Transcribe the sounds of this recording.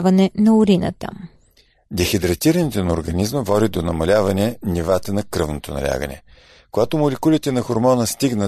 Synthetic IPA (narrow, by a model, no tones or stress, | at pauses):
vɐnɛnɐʊɾinə̰t̪ə̰ | d̪ɛxɛd̪ɾɐt̪iɾɐnit̪ɛnɐoɾɡɐnizməvɔd̪ʲid̪onɐmɐlʲavɐnɛnʲivat̪ənɐkɾɤvnot̪onɐ̰lʲa̰ɡə̰nɛ̰ | koɡat̪omolɛkulʲit̪ɛnɐxoɾmɔnəst̪iɡnə